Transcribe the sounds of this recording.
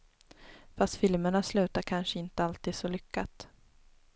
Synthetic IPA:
fast̪fɪlməɳaslʉ̟ːt̪akʰanʂəɪnt̪əalt̪iːd̪sɔlʏkːat̪

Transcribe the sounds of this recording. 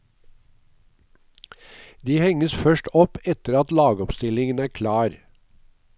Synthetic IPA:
d̪iːhɛŋəsfœʃʈɔpɛt̪əɾɑt̪lɑːɡɔpst̪ɪlɪŋənæːɾkʰlɑːɾ

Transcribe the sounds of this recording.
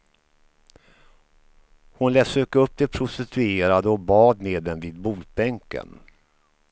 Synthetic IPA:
hʊnlɛːsøkːəɵp̚ːd̪ɛpʰɾʊst̪ɪt̪ʰɵeːɾad̪əɔbɑːd̪meːd̪ɛnviːd̪buːl̚bɛŋkə̰n

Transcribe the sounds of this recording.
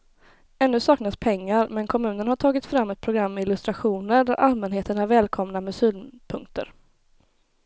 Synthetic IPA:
ɛnːɵsɑːknaspʰɛŋːaɾmɛnkʰɔmʉ̟ːnənhaʈʰɑːɡɪt̪fɾamːɛt̪̚pʰɾʊɡɾamːɛɪlɵst̪ɾaɧuːnəɾɖæɾʔalmɛnɦeːt̪əɳæɾvɛːlkʰɔmnamɛsyːlpʰɵŋk̚t̪ʰə̰ɾ

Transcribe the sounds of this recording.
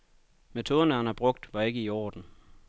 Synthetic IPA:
met͡sʰo̝ːð̞ˠɐnəhænhæb̥ʁɔ̽ɡ̥̚d̥ʋɑ̈e̝ɡ̥əiɒ̰ːd̥n̩

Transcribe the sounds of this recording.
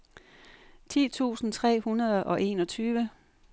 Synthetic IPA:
t͡sʰḭːt͡sʰṵːsn̩t͡sʰʁɛ̰ːhunɐð̞ˠʔɒ̽ʔe̝̰ːnɒ̽t͡sʰyːʋə

